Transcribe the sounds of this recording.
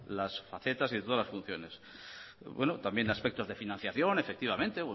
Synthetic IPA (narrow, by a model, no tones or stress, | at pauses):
lasfaθe̞t̪asiðet̪oalasfun̟θjo̞nes | bwenot̪ambje̞naspek̚t̪o̞zðe̞finãn̟θjaθjo̞ne̞fe̞kt̪iβ̞amẽnt̪e̞